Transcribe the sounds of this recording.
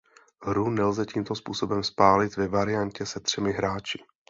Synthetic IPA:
ɦɾunɛlzɛciːmt̪o̞spuːso̞bɛmspaːlɪt̪vɛvaɾɪjancɛsɛt̪r̝̥ɛmɪɦɾaːt͡ʃɪ̥

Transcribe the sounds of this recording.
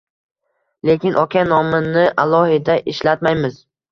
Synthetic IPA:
le̞kʲɪnʔɒkʲʰanɒmɪnɪʔalˠɒhɪd̪aʔɪʃlat̪majmɪz̥

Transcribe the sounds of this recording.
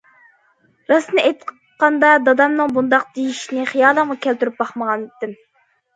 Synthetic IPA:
ɾɑsnɨʔejt̪q | qɑnd̪ɑd̪ɑd̪ɑmnɨŋbund̪ɑq̚d̪̥ejiʃinɪχijɑːlˠəŋʁɑkʲʰælt̪yɾyp̚bɑχməʁɑnd̪ɪm

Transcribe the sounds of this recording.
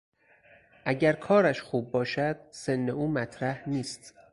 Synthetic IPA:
ʔæɟæɾkʰɒːɾæʃxuːbːɒːʃæd̪̥̚se̞nːe̞uːmæt̪ʰɾæhniːst̪

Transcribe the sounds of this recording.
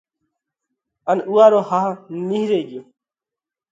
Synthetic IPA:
ənuːaːɾoːhaɦniɦɾeːɡjoː

